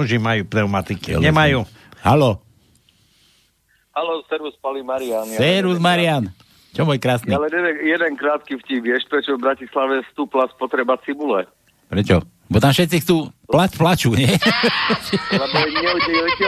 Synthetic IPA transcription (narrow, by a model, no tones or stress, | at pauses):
uʒimajuːpɾɛʊmat̪ikḭlɲɛmajuː | halɔ | halɔsɛɾuspalimaɾianɛɾuzmaɾɪan | t͡ʃɔmɔːjkɾaːsnilɛɲɛd̪ɛjɛd̪ɛŋkɾaːt̪̚kifcibjɛʃpɾɛt͡ʃɔvbɾacislaʋɛst̪uːplaspɔt̪ɾɛbat͡sibulɛ | pɾɛt͡ʃɔ | bɔt̪amfʃɛt̪t͡sixt͡suːplaplat͡ʃuɲɛ | lɛbɔɛɲɛutɛɛ